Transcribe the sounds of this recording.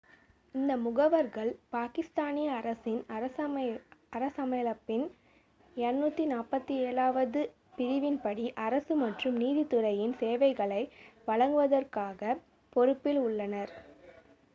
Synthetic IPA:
ɪnd̪ɐmʊɣɐʋɐɾɣɐɭpaːkɪst̪aːnɪjɐːɾɐsɪnɐɾɐ | ɐɾɐsɐmɐɪjlɐpːɪn | ɐnnːuːt̪ːinaːpɐt̪ːieːɭaːʋɐðɯ | pɪɾɪʋɪnpɐɽiʔɐɾɐsɯmɐʈrɯmniːðit̪ːɯrɐjɪnseːʋɐɪɣɐɭɐɪʋɐɭɐŋɡɯʋɐðɐrkaːɣɐ | pɔɾɯpːɪlʊɭːɐnɐɾ

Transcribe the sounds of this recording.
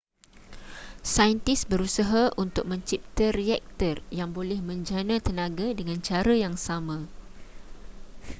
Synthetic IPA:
sajənt̪isbəɾusaɦaʔunt̪ʊk̚mə̃ɲt͡ʃip̚t̪əriɛk̚t̪ərjaŋbolɛhmə̃ɲd͡ʒanãt̪ənãɡadəŋãnt͡ʃaɾajaŋsamã

